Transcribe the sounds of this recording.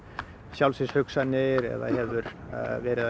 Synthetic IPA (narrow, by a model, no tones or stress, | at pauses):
sjawlsɪshʏksanɪɾɛ̰ða̰hɛvʏɾ | vɛːɾɪða